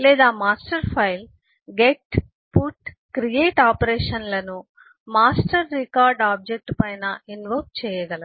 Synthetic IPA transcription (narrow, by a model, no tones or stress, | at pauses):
lɛːd̪aːmaːsʈɐɾpʰɐjl | ɡeʈ | puʈ | kɾijeːʈaːpɐɾeːʂɐnlɐnu | maːsʈɐɾːikaːɾɖaːb̚d͡ʒek̚ʈpɐjnɐinʋɐːkt͡ʃɛːjɐɡɐlɐ